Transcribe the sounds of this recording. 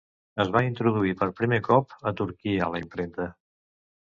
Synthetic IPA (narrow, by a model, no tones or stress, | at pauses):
əzβaint̪ɾuð̞uipəɾpɾimekɔpət̪uɾkiələimpɾent̪ə